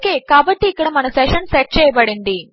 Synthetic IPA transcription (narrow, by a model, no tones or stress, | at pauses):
kːeːkaːbɐʈːiːkːɐɽɐmɐnɐsɛʂɐnsɛʈ̚t͡ʃɛːjɐbɐɽind̪i